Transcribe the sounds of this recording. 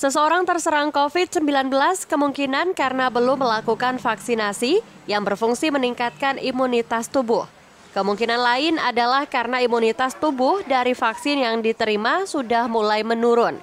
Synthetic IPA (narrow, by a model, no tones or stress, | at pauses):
səsəoɾaŋt̪ərsəɾaŋkofɪt̪̚səmbilanbəlaskəmuŋkinankaɾənabəlʊmːəlakukanfaksinasi | jaŋbərfuŋsiməniŋkat̪̚kanimunit̪ast̪ubʊh | kəmuŋkinanlaɪnadalahkaɾənaimunit̪ast̪ubʊhdaɾifaksɪnjaŋdit̪əɾimasudahmulajmənuɾʊn